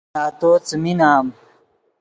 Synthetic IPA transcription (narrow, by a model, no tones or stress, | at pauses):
aːt̪oːt͡sminaːm